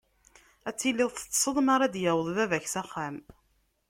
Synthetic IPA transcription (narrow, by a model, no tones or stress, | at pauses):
æt͡sːilːɪðˤθə̥t͡sːsˤəðˤmaɾˤɑd̪jæwəðˤðævæçsæχːam